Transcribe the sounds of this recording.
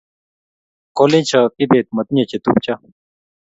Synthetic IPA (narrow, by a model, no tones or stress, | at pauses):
kolẽːt͡ɕʰɐpibeːt̪̚mɐt̪̚njẽt͡ɕʰet̪up̚t͡ɕʰɐ